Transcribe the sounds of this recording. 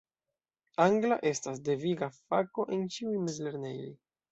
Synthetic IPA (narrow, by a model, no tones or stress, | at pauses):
aŋɡla̰ʔe̞stas̬de̞viɡafako̞ʔe̞nt͡ʃiujmezle̞ɾne̞jo̞̰j